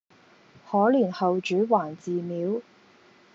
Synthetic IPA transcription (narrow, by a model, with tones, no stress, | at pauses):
hɔː˨˥lyː˨˩nhɐ˨wt͡ʃyː˨˥waː˨˩nt͡siː˨miː˨˥w